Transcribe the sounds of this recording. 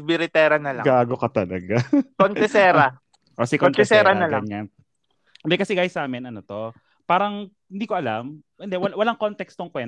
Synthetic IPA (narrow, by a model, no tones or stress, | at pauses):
bɪɾɪt̪ɛːɾɐnɐlaaːɡokɐt̪ɐlɐɡakont̪ɛsɛːɾɐ | ʔosɪkonɛsɛɾɐnɐlɡaɐɲan | nd̪ɛkɐsɛɡajsːɐʔaːmɪnʔɐnot̪o̞ | paːɾɐŋ | hɪnd̪iːkoʔɐlam | ʔɛnd̪ɛwɐlawɐlaŋkont̪ɛkst̪oŋkwɛn